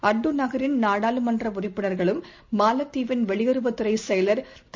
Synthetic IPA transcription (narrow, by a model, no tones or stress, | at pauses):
ɐɖːɯnɐɣɐɾɪnnaːɽaːlɯmɐndrɐʊrɪpːɯnɐɾɣɐɭɯmː | aːlɐt̪ːiːʋɪnʋɛɭɪjɐɾɯʋɐt̪ːɯɾɐɪsɛjɐlɐɾt̪